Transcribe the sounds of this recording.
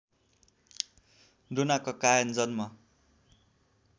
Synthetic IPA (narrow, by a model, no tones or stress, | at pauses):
d̪unakokajʌnd͡zʌnmʌ